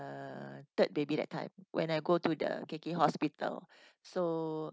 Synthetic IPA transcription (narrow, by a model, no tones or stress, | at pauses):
ət̪ət̚bebidɛ̰t̚ʰːã̰ɪ̃mwʔɛ̰̃najɡotudə̰kekiɦɔspitə̰lso